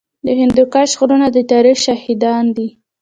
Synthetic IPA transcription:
d̪əhɪnd̪ukɑʃɣuɾunad̪ət̪ɑɾixʃahid̪ɑnd̪i

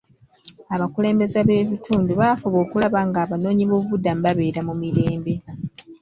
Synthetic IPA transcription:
aβakule̞ːmbe̞zaβe̞ːβitʰuːnduβaːfoβo̞ːkulaβaŋɡaːβano̞ːɲiβo̞ːβuβudːambaβe̞ːɾamumiɾe̞ːmbe̞

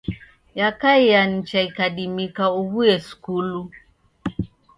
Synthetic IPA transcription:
jakaijan̩t͡ʃaikaɗimikauβuɛskulu

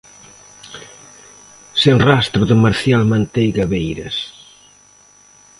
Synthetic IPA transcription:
senrast̪ɾʊðɪmaɾθjalmãnt̪ejɣaβejɾɐs

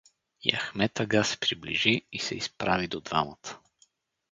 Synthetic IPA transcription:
ja̰xmɛt̪ɐɡasɛ̥pɾiblḭʒiisɛ̰ispɾavid̪od̪va̰mət̪ə̥

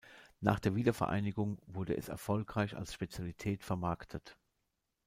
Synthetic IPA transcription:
na̰ːχd̥eːɐviːdɐfɛɐʔa̰ɪnɪɡʊŋvʊɐdəɛ̰sɛ̰ɐfɔlkʁ̥aɪça̰lsʃpet͡sjalitʰɛːtfɛɐmaɐktʰət

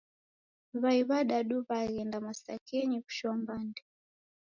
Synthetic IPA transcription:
βaiβaɗaɗuβaɣɛndamasa̰kɛɲiku̥ʃɔmbandɛ

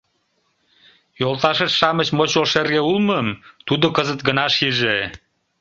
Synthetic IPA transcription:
jolˠt̪ɑʃetʃɑmət͡ɕmot͡ɕolʃerɣeulməmt̪ud̪okəzət̪ɡənɑʃiʒe

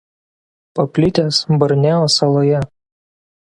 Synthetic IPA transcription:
pɐpʲlʲɪt̪ʲesbɐɾʲnʲeːoːsɐlˠoːjɛ

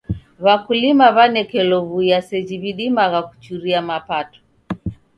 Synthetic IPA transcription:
βakulimaβanɛkɛlɔvujasɛd͡ʒiβiɗimaɣaku̥t͡ʃuɾiamapatɔ̥

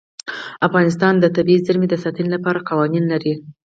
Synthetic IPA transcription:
afɣɑnɪs̬t̪ɑnd̪ət̪abiizaɾmed̪əsɑt̪anilapɑɾaqɑwɑninlaɾi

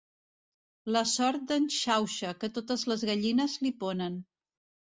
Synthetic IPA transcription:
ləsɔɾt̪̚d̪ənʃawʃəkət̪ot̪əzləzɣəʎinəzlipɔnən

